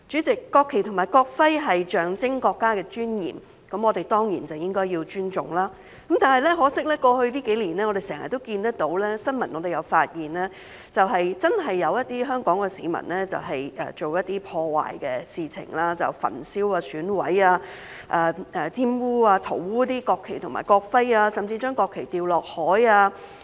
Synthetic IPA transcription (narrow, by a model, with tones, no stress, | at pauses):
t͡ʃy˨˥t͡sɪ˨kːɔː˧kʰːe˨˩jt̪ʰʊ˨˩ŋmaː˨˩jkɔː˧k̚fɐ˥jɦɐ˨jt͡ʃœː˨ŋt͡sɪ˥ŋkɔː˧kːaː˥kɛː˧t͡ʃyː˥njḭː˨˩m | kɐ˨˧˥mɔː˨˧t̪e˨jt̪ɔː˥ŋjḭː˨˩nt͡sɐ˨wjɪ˥ŋkɔː˥jiː˧wt͡ʃyː˥nt͡ʃʊ˨ŋlaː˥ | kɐ˨˦mt̪aː˨nɦɐ˨jlɛ˥ɦɔː˨˥sɪ˥k̚lɛː˥kɔː˧hɵ˧ɥliː˥ke˨˥jliː˨˩nɛː˥ŋɔ˨˧ɾe˨sɛː˨˩hɐ˨˩t̪o˥wkiː˧nt̪ɐ˥k̚t̪o˨˧˥wlɛː˥sɐ˥nmɐ˨˩nːɔ˨˧d̪e˨jɐ˨˧wfaː˧t̚jiː˨nlɛː˥ | t͡sɐ˨wɦɐ˨jt͡sɐ˥nɦɐ˨jːɐ˨˧wjɐ˥t̚t̪iː˥ɦœː˥ŋkɔː˨˥ŋkɛ˧siː˨˧mɐ̰˨˩nlɛː˥t͡sɐ̰˨wɦɐ˨jɛ̰ː˨t͡ʃo˨wjɐ˥t̚t̪iː˥pʰɔː˧wa̰ː˨˩jkɛː˧siː˨t͡sʰɪ̰˨˩ŋlaː˥t͡sɐ̰˨˩wfɐ̰˨˩nsiː˥waː˧syː˨˥nwɐ˨˥jaː˧ | ʔaː˨˧ɛː˨˩t̪ʰiː˥muː˥aː˧t̪ʰo˨˩wwuː˥t̪̬iː˥kɔː˧kʰːe˨˩jt̪ʰʊ˨˩ŋma̰ː˨˩jkɔː˧k̚fɐ˥jaː˧sɐ˨mt͡siː˧t͡ʃœː˥ŋkɔː˧kʰːe˨˩jt̪iː˨wlɔː˨k̚hɔː˨˥jaː˧